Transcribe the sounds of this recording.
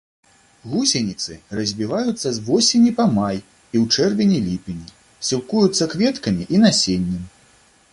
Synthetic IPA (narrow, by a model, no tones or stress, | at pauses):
ɣusʲenʲit̪sɨrɐzʲbʲivajut̪sːɐzvɔsʲenʲipɐmaj | iwt͡ʂɛrvʲenʲilʲipʲinʲi | sʲilˠkujut̪sːɐkvʲɛt̪kɐmʲiʔinasʲenʲːɛm